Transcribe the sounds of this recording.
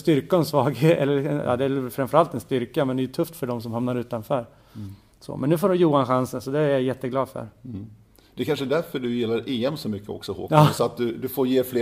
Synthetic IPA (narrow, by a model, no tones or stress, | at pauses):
st̪ʏɾkaɛnsvɑːɡheːɛ̰lːəɛjɑ̰ːd̪ɛælfɾamfœɾalt̪ɛnst̪ʏɾkamɛnd̪ɛːjɵt̪ʰɵft̪fœɖɔms̬ɔmhamnaɾʉ̟ːt̪anfœːɾ | sɔ̰mʔɛnːʉ̟foːɾɔmjuːanɧansənsɔd̪ɛæɾjajɛt̪ːəɡlɑːd̪fœ̰ɾ | d̪̥ɛkʰanʂəd̪æɾfœɖɵjɪlːaɾeːɛmsɔmʏkːəɔ̰ksɔho̰ːkɑːsɔat̪̚d̪ɵd̪ɵfoːɾjeːfleː